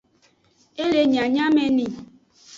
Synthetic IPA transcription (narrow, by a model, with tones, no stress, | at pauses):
e˦le˨ɲa˨ɲa˦me˦ni˨